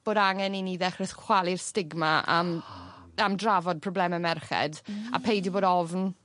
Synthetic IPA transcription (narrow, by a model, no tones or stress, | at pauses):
b̥oːdaŋɛniniːðɛχrəθkʰw̥alˠɪrstɪɡmaə̰m | amdravɔd̚pʰrɔblɛməmɛrχɛ̰da̰pʰejdiboːdɔvn